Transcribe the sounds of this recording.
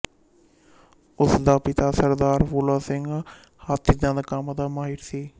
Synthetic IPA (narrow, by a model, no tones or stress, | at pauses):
ʊsd̪aːpɪt̪aːsəɾd̪aːɾpulaːsɪŋɡ | hat̪ʰid̪ãːd̪əkəmd̪aːmaːɦɪɾsiː